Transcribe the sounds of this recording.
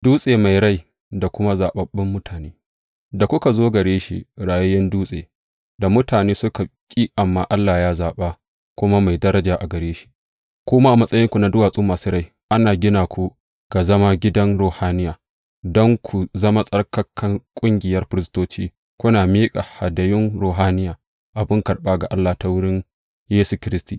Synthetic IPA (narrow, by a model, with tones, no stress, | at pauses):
duː˦sʼeː˨ma˨jɽa˦j | da˨kʷʊ˦ma˦zaː˨ɓɐ˨bːɪ˦mːʊ˦tʰaː˨neː˦ | da˨kʷʊ˦ka˨zoː˦ɡɐ˨ɽeː˦ʃḭ˦ɽaː˨jʊ˦jɐ˦nduː˦sʼḛː˨ | da˨mʊ˦taː˨neː˦sʊ˦ka˨kʲʼiː˦ʔa˨mːaː˨ʔa˦lːaː˨jaː˦zaː˨ɓaː˦ | kʷʊ˦ma˦ma˨jdɐ˦ɾɐ˦d͡ʒaː˨ʔa˨ɡɐ˨ɾeː˦ʃi̥˦ʔ | kʷʊ˦ma˦ʔa˨mɐ˦sʼɐ˦jɪ˦ŋkʷu˨na˨dʊ˦waː˨sʼuː˦maː˨su˦ɾa˦˨j | ʔa˦naː˨ɡʲɪ˦naː˨kʷu˨ | ɡ̥a˨zɐ˦ma˦ɡʲɪ˦dɐ˦nɾoː˨haː˦nɪ˦jaː˨ | dɔ˦ŋkʷʰu˨zɐ˦ma˦sʼɐ˦rkɐ˦kʰːɐ˦ŋkʷʼʊ˦ŋɡʲɪ˨jɐ˦rɸɪ˦ɾɪ˦stoː˦t͡ʃiː˦ | kʷʊ˦naː˨miː˦kʼa˨ha˨dɐ˨jɪ˦nɾoː˨ɦaː˦nɪ˦jaː˨ | ʔa˨bɪ˦ŋkɐ˨ɽɓaː˦ɡa˨ʔa˦lːaː˨ta˨wʊ˦ɽɪ˦n | jeː˦su˨kʲɪ˦ɾɪ˦stiː˨